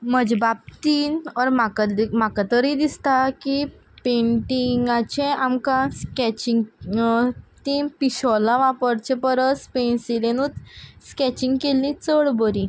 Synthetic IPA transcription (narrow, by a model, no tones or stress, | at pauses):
məd͡ʑbap̚t̪iːnɔɾmakamakat̪əɾid̪ist̪aki | peɳʈiŋɡat͡ɕẽamkãskɛt͡ɕiŋɡ | t̪iːnpiɕɔlaʋapəɾt͡ɕẽpəɾəspensilenut̪skɛt͡ɕiŋɡkelĩt͡səɭbəɾi